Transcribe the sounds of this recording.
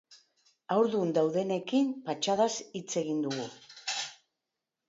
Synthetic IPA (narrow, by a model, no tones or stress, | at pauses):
awɾðund̪awðe̞ne̞kimpat͡ʃaðasit͡se̞ɣ̞ind̪uɣu